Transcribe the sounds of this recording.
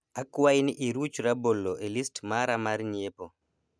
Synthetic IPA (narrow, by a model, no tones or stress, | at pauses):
akːuwajniʔiɾut͡ʃuɾabolːɔʔelistmaɾamaɾɲepo